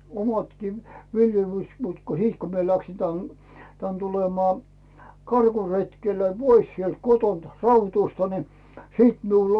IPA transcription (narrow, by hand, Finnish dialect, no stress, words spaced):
omɑtkiː ʋiljelys mut ko hit ko mie læksi tæn tæn tulemɑː kɑrkuretkelːæ̥ pois sielt kotont rɑutustɑ ni siːt miulː